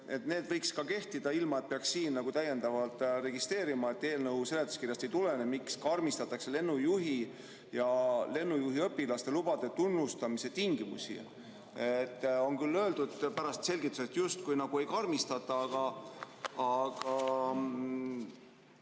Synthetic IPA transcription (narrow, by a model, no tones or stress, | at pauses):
e̞t̪ne̞ːd̪vɤjkskɑke̞ht̪id̪̥ɑilmɑe̞t̪̚peɑksːiːnːɑɡut̪æje̞nd̪ɑvɑlt̪ˑre̞ɡist̪re̞ːɾimɑe̞t̪ːe̞ːlnɤwse̞le̞t̪ːˑu̥skirjɑst̪ejt̪ule̞nemikskɑrmist̪ɑt̪ːˑɑkse̞le̞nːujuɦi | jɑle̞nːujuɦiɤpːilɑst̪e̞lub̥ɑd̪̥et̪unːust̪ɑmise̞t̪iŋɡimṵsḭ | et̪ːo̞nkylːøːld̪ud̪pæɾɑst̪se̞lʲɡit̪ːˑuse̞t̪just̪kujnɑɡ̥ue̞jkɑrmist̪ɑt̪ːˑɑɑɡ̥ɑː | ɡ̥ɑ